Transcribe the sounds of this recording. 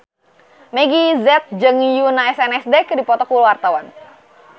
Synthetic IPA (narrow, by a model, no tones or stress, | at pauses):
mɛɡizɛt̪̚d͡ʒəŋijunaɛsɛnɛsdekɨdipɔt̪ɔkulwart̪awan